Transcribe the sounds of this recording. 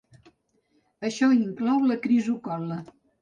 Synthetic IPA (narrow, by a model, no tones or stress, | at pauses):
əʃɔiŋklɔwləkɾizukɔlə